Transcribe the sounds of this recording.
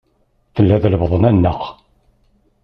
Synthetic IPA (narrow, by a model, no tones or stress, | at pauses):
θəlːæðləvðˤənænːəχ